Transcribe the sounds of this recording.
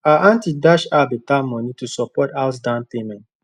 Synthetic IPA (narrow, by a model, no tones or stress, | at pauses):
aʔãntidaʃabitamɔ̃nitusɔpɔtaʊs̬dãntemɛ̃nt